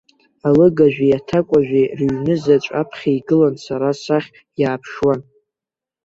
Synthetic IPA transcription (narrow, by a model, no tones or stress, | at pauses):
alɨɡaʒᶣijatʰakʷʼaʒᶣirɥnɨzat͡ʃʷʼa̰pʰχʲaiɡɨlansaɾasaχʲ | jaːpʰʂwan